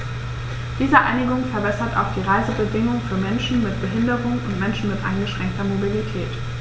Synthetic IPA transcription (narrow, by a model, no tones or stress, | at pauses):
d̥iːzəʔa̰ɪnɪɡʊŋfɛɐbɛsɐta̰ʊxd̥iːʁaɪzəbədɪŋʊŋfyːɐmɛnʃn̩mɪt̚b̥əɦɪndəʁʊŋʊntmɛnʃn̩mɪtʔa̰ɪnɡəʃʁ̥ɛŋk̚tɐmobilitʰɛːt